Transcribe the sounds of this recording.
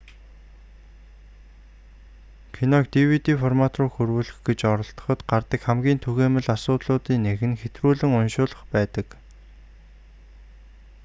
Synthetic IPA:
kʰinɔk̚t̪iwit̪iːfɔrmat̪rʊːxurwuːɮɘ̆xɡet͡ɕɔɾɞ̆ɬt̪ɞ̥̆χɞ̆t̪ɢart̪ə̆kxæmɡʲiːnt̪ʰuɣeːmɘ̆ɮasʊːt̪ɮʊːt̪iːnːeɣɘ̆nxet̪ruːɮɘ̆ŋʊnʃʊːɮə̆χpæːt̪ə̆k

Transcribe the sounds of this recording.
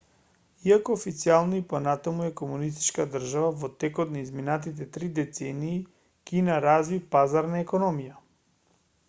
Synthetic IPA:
iakoːfit̪sialˠnɔiponat̪amuɛkomunist̪i̥t͡ʃkad̪r̩ʒavavɔt̪ɛkɔt̪naizminat̪it̪ɛt̪ɾid̪ɛt̪sɛniː | kinaɾazvipazaɾnaɛkɔnɔmija

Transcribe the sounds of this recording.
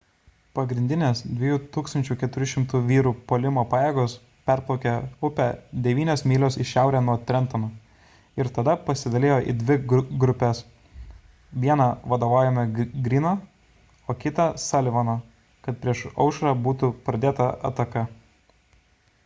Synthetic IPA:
pɐɡɾʲɪnʲd̪ʲɪnʲeːsd̪ʲʋʲɪjuːt̪uːkst̪ɐnʲt͡ʃʲʊkʲɛt̪ʊɾʲʊʃʲɪmt̪ʊʋʲiːɾuːpoːlʲɪmoːpɑːjeːɡoːs | pʲæɾplˠɒʊkʲɛʊpʲæd̪ʲɛʋʲiːnʲoːsmʲiːlʲoːsɪʃʲæˑʊɾʲæːnuɔt̪ʲɾʲɛnˑt̪oːnoː | ɪɾt̪ɐd̪ɐpɐsʲɪd̪ɐlʲeːjoːʔḭːd̪ʲʋʲɪɡɡɾʊpʲɛs | ʋʲiɛnɐʋɐd̪oːʋaːʊjɛmɐɡɾʲiːnɐː | oːkʲɪt̪ɐsɐlʲʋɐnɐ | kɐt̪̚pʲɾʲiɛʃɐ̰ʊʃɐɾɑbuːt̪ʊpɾɐd̪ʲeːt̪ɐɐ̰t̪ɐkɐ

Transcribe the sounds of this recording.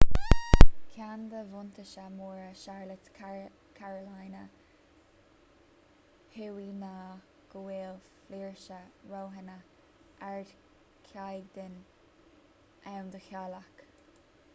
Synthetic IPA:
kʰand̪əvʊnt̪əʃəmuːɹəʃaɹlət | kʰaɹəlajnə | hewiːnaː | ɡ̥əweːlfliːɹʃəɹoːɦɛnə | ʔaɹd̪ | kʰjajɡd̪ɪn | awnd̪əxjalak

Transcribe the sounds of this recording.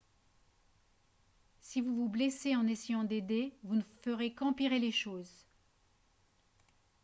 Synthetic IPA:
sivuvubleseɑ̃nesejɑ̃d̪ed̪evunəfəʁekɑ̃piʁeleʃoːz

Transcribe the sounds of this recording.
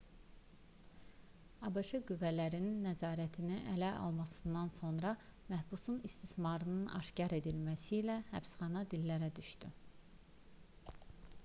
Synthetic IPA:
ɑbɑʃɯɡyvːælæɾininːæzɑːɾæt̪ʰiniʔælæʔɑ̰lˠmɑsɯnd̪ɑnso̞nɾɑmæhbusunist̪ismɑɾɯnɯnʔɑ̰ʃcɑɾe̞d̪ilmæsiːlæhæpsχɑnɑd̪ilːæɾæd̪yʃt̪y̰

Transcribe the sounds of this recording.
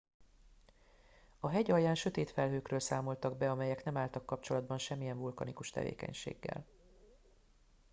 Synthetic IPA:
ɒɦɛɟɒjjaːnʃø̞t̪eːt̪fɛlɦøːkrøːlsaːmo̞lt̪ɒɡ̚bɛɒmɛjɛkn̪ɛmaːlt̪ɒkːɒp̚t͡ʃo̞lɒd̪̚bɒnʃɛmːijɛɱvulkɒ̰nikuʃt̪ɛ̰vḛːkɛ̰ɲʃḛːɡːɛ̰l

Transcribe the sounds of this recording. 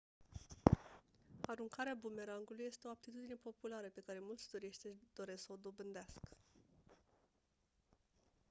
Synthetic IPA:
aɾuŋkaɾeabume̞ɾaŋɡuluje̞st̪e̞o̞ab̚t̪it̪ud̪ine̞po̞pulaɾəpe̞kaɾe̞mult̪sʲt̪uɾiʃt̪ʲd̪̥o̞ɾe̞sksəod̪o̞bɨnd̪easkə̥

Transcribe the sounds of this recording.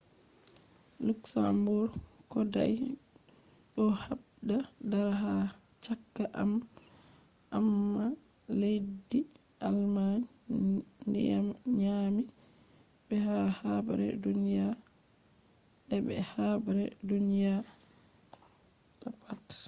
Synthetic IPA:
luksambuɾ | kɔda̰j | ɗɔhab | dadaɾɦa | t͡ʃakːaʔam | ʔamːa | ledːi | ʔalman | ndɛ̰a̰mɲami | bɛhahaba̰ɾɛ̰dunija | ɛbɛ̰habaɾɛdunija | tapʰat

